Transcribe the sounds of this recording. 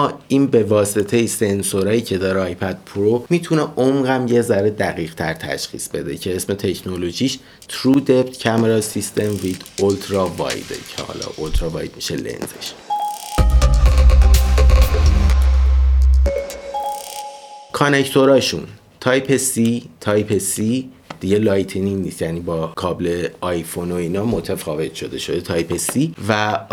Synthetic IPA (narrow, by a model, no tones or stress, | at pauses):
mɒːiːnbe̞vɒːse̞t̪ʰe̞jese̞nsoɾɒːjiːcʰe̞d̪ɒːɾeɒːjpʰæd̪̥̚pʰɾomiːt̪ʰuneomɢæmje̞zæɾe̞d̪æɣiːɣt̪ʰæɾt̪ʰæ̰ʃxḭːsbe̞d̪e̞cʰe̞esme̞t̪ʰe̞cʰno̞lo̞ʒiːʃ | t̪ʰɾud̪ept̪cʰæmeɾɒsist̪ʰe̞mvid̪̥olt̪ʰɾɒvɒ̰jd̪ḛcʰḛhɒ̰ːlɒ̰ʔolt̪ʰɾɒvɒ̰ːjd̪̚miʃḛlḛnzḛʃ | kʰonect̪ʰo̞ɾɒːʃun | t̪ʰɒjpʰesit̪ʰɒːjpʰesi | d̪̥iɟe̞lɒːjt̪ʰeniniːst̪jæniːbɒːkʰɒːble̞ɒjfo̞noiːnɒːmo̞t̪ʰefɒːve̞t̪ʰʃo̞d̪e̞ʃo̞d̪e̞t̪ʰɒːjpʰesivæ